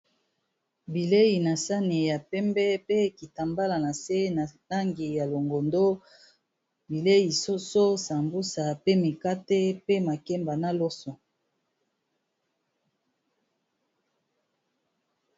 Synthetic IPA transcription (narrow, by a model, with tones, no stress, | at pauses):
bi˨le˦ji˨na˨sa˦ne˨ja˨pɛ˦mbɛ˦pe˦ki˨ta˨mba˦la˨na˨se˦na˨ta˦ŋɡi˨ja˨lo˨ŋɡo˨ndo˦ | bi˨le˦ji˨so˦so˦sa˨mbu˦sa˨pe˦mi˨ka˦te˦pe˦ma˨kɛ˦mba˨na˦lo˦so˨